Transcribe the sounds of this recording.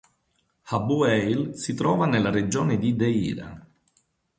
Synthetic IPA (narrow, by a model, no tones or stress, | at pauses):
habuɛjlsit̪ɾɔːvanelːaɾed͡ʒɔːned̪id̪eḭːɾa̰